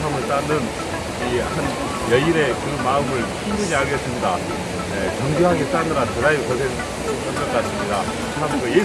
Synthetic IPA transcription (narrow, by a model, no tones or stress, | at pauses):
amɯɭs͈anːɯn | ihan | jʌiɾe̞kɯmaɯmɯɭɕʰimɡud͡ʑiaɭɡes͈ɯmɲida | et͡ɕʌŋɡjoɦaɡes͈anɯɾantɯɾajukʌsʰe | k͈ʌnkʌk͈as͈ɯmɲida | tʰamɡɯje